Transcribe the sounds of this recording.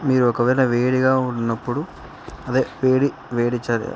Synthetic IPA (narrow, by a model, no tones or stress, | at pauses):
miːɾuɔkɐʋɐjnɐʋeːɽiɡaːunːɐpːuɽu | ɐd̪eːʋeːɽi | ʋeːɽit͡ʃːaːɾḭ